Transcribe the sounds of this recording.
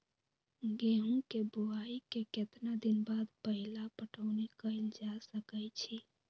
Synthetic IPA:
ɡeɦũkebuaikeket̪nad̪inbad̪pəɦilapəʈəʊnekəɪld͡ʒasəkəjt͡ʃʰi

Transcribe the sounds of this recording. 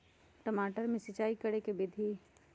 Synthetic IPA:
ʈəmaːʈəɾmẽsɪt͡ʃaːikɐɾekebɪd̪ʱi

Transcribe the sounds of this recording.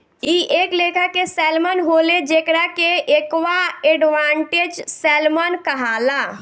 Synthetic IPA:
iʔeklekʰakesɛlmənɦoled͡ʒekɾakeʔekʋaeɖʋaɳʈed͡ʒsɛlmənkəɦala

